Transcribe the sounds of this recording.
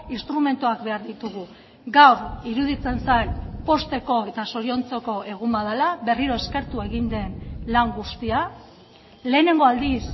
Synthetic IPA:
inst̪ɾume̞nt̪uak̚be̞aɾðit̪uɣ̞u | ɡawɾiɾuð̞it͡se̞nsajnpo̞st̪e̞ko̞e̞t̪aso̞ɾio̞nt͡soko̞e̞ɣ̞umbaðalaβe̞riɾo̞e̞ske̞ɾt̪ue̞ɣind̪e̞nlaŋɡust̪ia | le̞ːne̞ŋɡo̞ald̪is

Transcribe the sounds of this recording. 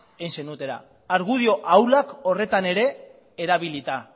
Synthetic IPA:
ensenut̪e̞ɾa̰ː | ɾɣuð̞io̞ʔawlako̞re̞t̪ane̞ɾe̞ː | ɾaβilit̪a

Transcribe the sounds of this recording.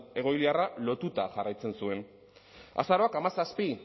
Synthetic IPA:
e̞ɣ̞o̞jliaralo̞t̪ut̪aʝarajt͡se̞nsue̞n | a̰saɾo̞akamasaspi

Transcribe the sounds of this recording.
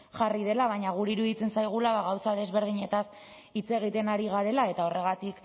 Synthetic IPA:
ʝarið̞e̞laβ̞aɲaɣuɾiɾuðit͡se̞nsajɣ̞ulaβaɣawsaðe̞zβe̞ɾð̞iɲe̞t̪as | it͡se̞ɣ̞it̪e̞naɾiɣ̞aɾe̞lae̞t̪ao̞re̞ɣat̪ik

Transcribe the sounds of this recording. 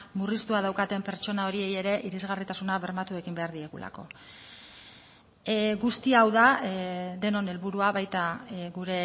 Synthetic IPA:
murist̪uaðawkat̪e̞mpe̞ɾt͡ʃo̞nao̞ɾie̞je̞ɾe̞ʔiɾizɣarit̪asunaβe̞ɾmat̪ue̞kimbe̞aɾðie̞ɣṵla̰ko̞̰ | ɣust̪iaːwðaðe̞no̞ne̞lβuɾuaβajt̪aɣuɾe̞

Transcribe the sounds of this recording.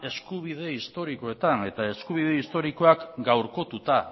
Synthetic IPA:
e̞skuβ̞iðe̞ist̪o̞ɾiko̞e̞t̪ane̞t̪ae̞skuβ̞ið̞e̞ist̪o̞ɾiko̞akɡawɾko̞t̪ut̪a

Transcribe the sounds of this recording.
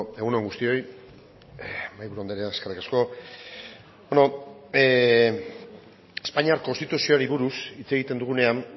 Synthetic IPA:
e̞ɣunoŋɡust̪io̞j | majβuɾuond̪eɾeaeskerikasko̞ | bono̞ | espaɲiaɾko̞nst̪it̪usio̞aɾiβuɾusit͡se̞ɣ̞it̪e̞nd̪uɣ̞une̞an

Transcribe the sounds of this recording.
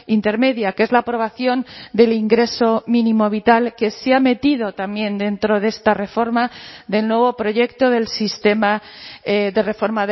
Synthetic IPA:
int̪e̞ɾme̞ðjake̞zlapɾo̞β̞aθjo̞nd̪e̞liŋɡɾe̞so̞mĩnĩmo̞β̞it̪alke̞seame̞t̪iðo̞t̪amje̞nd̪e̞nt̪ɾo̞ðe̞st̪are̞fo̞ɾmaðe̞lnwe̞β̞o̞pɾo̞ʝe̞kt̪o̞ðe̞lsist̪e̞ma | ðe̞re̞fo̞ɾmað

